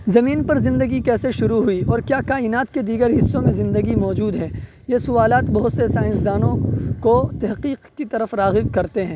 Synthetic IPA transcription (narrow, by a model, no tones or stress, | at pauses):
zɐmiːnpɐɾzɪ̃nd̪əɡikɛːseʃʊɾuɦʊiɔːɾkjaːkaːɪnaːt̪ked̪iːɡəɾɦɪsːõmẽzɪ̃nd̪əɡimɔːd͡ʒuːd̪ɦɛ̃ː | jesʊʋaːlaːt̪bɐɦʊt̪sesaːɪnsd̪aːnõkot̪ɐɦqiːqkit̪ɐɾəfɾaːɣɪbkɐɾt̪eɦɛ̃ː